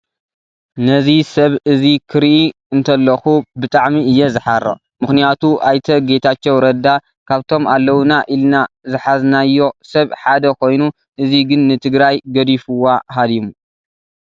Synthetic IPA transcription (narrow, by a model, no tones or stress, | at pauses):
nɐzisɐβɨzikʰɨɾʔi | ɨnt̪ʰɐlːɐxubɨt̪ʼaʕmiɨjːɛzɨħaɾɐ̰ | mɨxnɨjat̪ʰuʔajt̪ʰɐɡe̞t̪ʰat͡ʃːewɾɐd̪a | kʰaβt̪ʰo̞malːɐwnaʔilnazɨħaznajːo̞sɐβħad̪ɐkʰo̞jnu | ʔɨziɡɨnːɨt̪ʰɨɡɾajɡɐd̪ifɨwːaɦad̪imu